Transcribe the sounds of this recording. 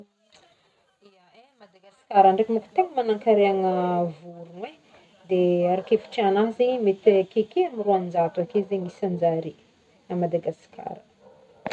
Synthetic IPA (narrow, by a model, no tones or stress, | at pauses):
ia | mad̪aɡasi̥kaɾaɳɖ͡ʐekimuku̥t̪eŋəmanaŋkaɾeaŋəvuɾunwe | d̪eaɾakefi̥ʈ͡ʂianaɦzeɲmet̪ekekeamiruanind͡ʒat̪akezeɲisand͡ʒaɾi | amad̪aɡasi̥kʰa̰ɾə̥